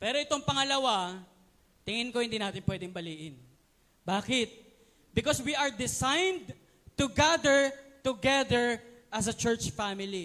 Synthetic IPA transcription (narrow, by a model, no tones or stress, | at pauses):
pɛːɾoʔɪt̪oŋpɐŋɐlɐwa | t̪ɪŋɪnko̞hɪnd̪iːnaːt̪ɪnpwɛːd̪ɪŋbɐliːʔɪn | baːkɪt̪̚ | bɪkoswiʔɐɹd̪ɪsajnd̪ | t̪ʊɡad̪ɛɹt̪ʊɡɛðɛɹʔɐs̬ɐt͡ʃɛɹt͡ʃfamɪli